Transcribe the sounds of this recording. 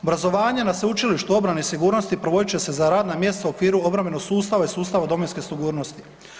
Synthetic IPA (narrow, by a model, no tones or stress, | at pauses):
obɾazo̞ʋaːɲenasʋeut͡ʃiliʃt̪uo̞bɾaneisiɡuːɾno̞st̪ipɾoʋo̞d̪it͡ɕe̞se̞zaɾaːd̪namje̞st̪sauokʋiːɾuo̞bɾame̞no̞ɡ̥suːst̪aʋaisuːst̪aʋad̪o̞menske̞siɡuːɾno̞st̪i̥